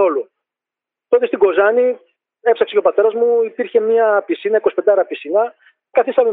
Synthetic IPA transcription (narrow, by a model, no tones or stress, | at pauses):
o̞lu | t̪ot̪ist̪iɡo̞zɐni | epsɐkse̞cʲo̞pɐt̪e̞ɾɐzmuipiɾçe̞mɲɐpisinɐikosiped̪ɐɾɐpisinɐ | kɐθist̪ɐme